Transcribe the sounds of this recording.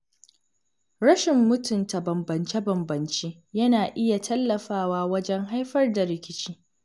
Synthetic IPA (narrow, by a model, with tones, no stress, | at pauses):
ɾɐ˦ʃɪ˨mːʊ˦tʊ˨nta˨bɐ˨mbɐ˨nt͡ʃe˦bɐ˨mbɐ˨nt͡ʃeː˦ | jɐ˦naː˨ʔɪ˦ja˨tʰɐ˦lːɐ˨ɸaː˦waː˦wɐ˦d͡ʒɛ˦ŋɦa˦jɸɐ˦rda˨ɾɪ˨kʲɪ˦t͡ʃiː˦